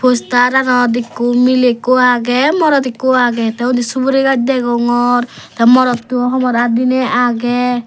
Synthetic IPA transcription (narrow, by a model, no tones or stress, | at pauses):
pʰost̪aɾanɔd̪ikːumilekuaɡɛmɔɾɔt̪ikːuaɡɛt̪ɛũnd̪isubuɾeɡatd̪ɛɡɔŋɔɾt̪amɔɾɔt̪ːuɔɦɔmɔɾad̪inɛʔaɡɛ